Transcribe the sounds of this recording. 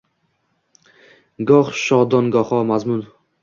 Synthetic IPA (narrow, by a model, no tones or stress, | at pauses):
ɡɒχʃɒd̪ɒnɡɒχɒmazmʊn